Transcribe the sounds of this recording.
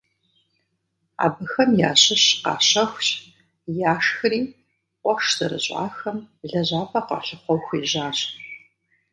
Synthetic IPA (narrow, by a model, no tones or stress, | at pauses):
a̰ːbɨxɐmjaːɕɪɕqɑ̰ːɕɐxʷɕʼ | jaːʂxɨriː | qʷɔʂz̥ɐɾɨ̰ɕʼa̰ːxɐmɮɐʑaːpʰɐqʷɑ̰ɬɨχʷɔwxiːʑaːɕʼ